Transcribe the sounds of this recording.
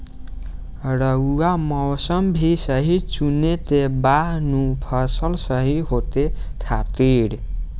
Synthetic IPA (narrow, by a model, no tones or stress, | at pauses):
ɾʌuamʌwsʌmbʱisʌɦit͡sunet̪ebanupʰʌsʌlsʌɦiɦot̪et̪ʰat̪iɽ